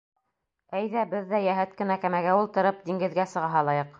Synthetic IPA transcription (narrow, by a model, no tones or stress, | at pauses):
æjðæbɘðːæjæɦɘt̪̚kɘ̆nækæmæɡæulˠt̪ɤ̆ɾɤp̚d̪iŋɡɘ̆ðɡæsɤ̆ʁɑɦɑlˠɑjɤq